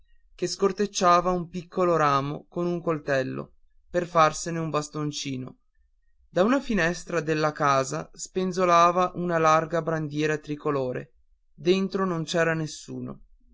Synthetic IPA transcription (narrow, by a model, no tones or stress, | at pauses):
keskort̪et͡ʃːaːvaumpikʰːoloɾaːmo̰konuŋkolt̪ɛlːo̰ | perfarseneumbast̪ont͡ʃiːno̰ | d̪aunafinɛst̪ɾad̪elːakaːzaspenzolaːvaʔunalarɡabɾand̪jɛːɾat̪ɾikoloːɾḛ | d̪ent̪ɾonont͡ʃɛːɾanesːṵːno̰